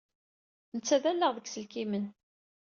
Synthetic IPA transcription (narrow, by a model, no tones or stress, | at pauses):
nət͡sːæðælːəʁðəɡsəlkimən